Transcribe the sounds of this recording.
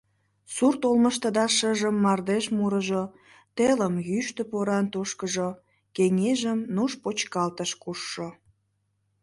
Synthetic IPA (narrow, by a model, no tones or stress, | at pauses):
surt̪olməʃt̪əd̪ɑʃəʒəmːɑrd̪eʃmuɾəʒo | t̪eləmjyʃt̪əpoɾɑnt̪oʃkəʒo | keŋeʒəmnuʃpot͡ɕkɑlt̪əʃkuʃːo